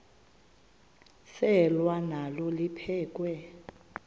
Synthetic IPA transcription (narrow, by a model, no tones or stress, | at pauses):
sɛlwanalɔlipʰɛːk̬ʼwɛ